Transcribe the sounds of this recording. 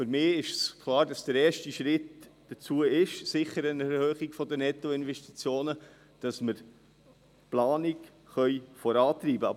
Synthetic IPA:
fʏɾmɪːɪʃskʰlˠɑːɾdɑsd̥əɾɛːɾʃtiʃɾɪtd̥ət͡suəɪʃsɪχəɾənɛhœːχiɡfɔdənɛtːoɪnvɛʃtit͡sjoːnə | d̥ɑsməɾ | plɑːniɡ | χœʏfɔɾɑːt̪riːbəɑ

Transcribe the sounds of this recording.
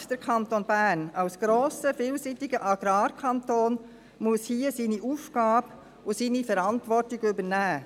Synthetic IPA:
d̥əɾkʰɑnt̪onbænɑlsɡ̥ɾoːsəfiːlsiːtɪɡəʔɑɡ̥ɾɑːɾkʰɑntoːn | muəshiːəsiːniʔuːfɡ̥ɑːb | ʊsiːnifɛɾɑntʋɔɾtɪɡʏbənæː

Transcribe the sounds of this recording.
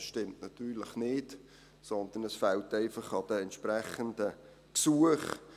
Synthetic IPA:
sʃtɪmtnɑt̪yːɾləχnɪd | sɔnd̪ənəsfæltɛɪfɑχɑd̥̪əɛntʃpɾæχənd̥ə | ksuəχ

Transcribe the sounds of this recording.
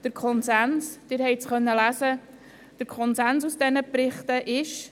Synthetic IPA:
d̥əɾkʰɔnsænsd̥ɪːɾhɛɪt͡sχœnːəlæsə | d̥əɾkʰɔnsænsusd̥ɛnəpɾɪχtəʔɪʃ

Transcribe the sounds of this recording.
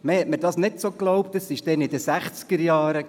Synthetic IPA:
mehɛt̚mədɑsnɪtsoklɔwpt̪əsɪʃd̥ɛnɪd̪əsæχt͡skəɾjɑːɾə

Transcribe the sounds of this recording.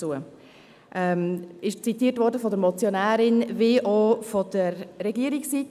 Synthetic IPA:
uə | ʔɛmɪʃt͡sit̪iːətʋɔɾdəfɔdəɾmɔt͡sjonæːɾɪnvɪʔofɔd̥̪əɾːɛɡiəɾiksit̪

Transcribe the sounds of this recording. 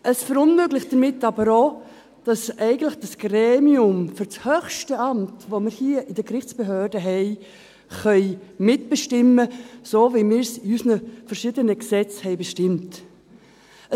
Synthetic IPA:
ʔəsfəɾʊnmøɡlɪχtd̥əɾmɪtːɑbəɾoː | d̥ɑsɛɪɡən̩tlɪχd̥ɑsɡ̥reːmiʊmfʏɾt͡shøχʃtəɑmtvoməɾhiəʔɪdəkɾɪχt͡sb̥eɦøːɾdəɦɛɪ | χœʏmɪtb̥əʃtɪməsoːvimɪːɾsɪysnəfəɾʃɪdənəksɛt͡shɛɪbəʃtɪmt | ə

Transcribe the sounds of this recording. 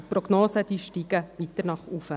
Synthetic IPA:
prɔɡnoːsəd̥iːʃtiːɡəʋit̪ənɑχufə

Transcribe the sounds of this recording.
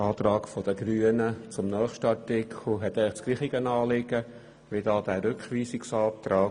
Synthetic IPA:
ɑːt̪rɑːɡfɔd̥əɡryːənət͡sʊmnœːχʃtəɑtɪkʰl̩ɦɛt̪æɪt͡skliːχiɡənɑːlɪɡ̥ə | ʋɪdɑːd̪æːɾʉkχʋiːsɪksɑːp̚t̪ɾɑː

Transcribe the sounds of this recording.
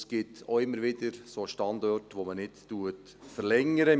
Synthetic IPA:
sɡ̥ɪtʰoɪmːəɾʋɪdəɾsoːʃtɑndɔrtʋomənɪtːuət | fəɾlɛŋəɾə

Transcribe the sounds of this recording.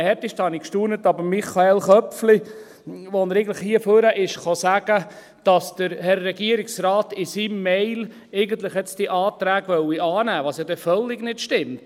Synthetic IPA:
hɛtɪʃtɑːnikʃtuːnətɑbəɾmiχɑɛlχœpfli | ʋɔnəɾɛɪɡŋləχhiəføɾəʔɪʃχɑsæɡ̥ə | d̥ɑsd̥əɾhɛɾːɛɡiəɾiksɾɑːtɪsimːɛɪl | eɪɡənt̪ləχɛt͡sd̥iʔɑːt̪ɾæːɡʋœwiʔɑːnæːʋɑːsjɑd̥̪ɛfœlːɪɡnɪtʃtɪmt

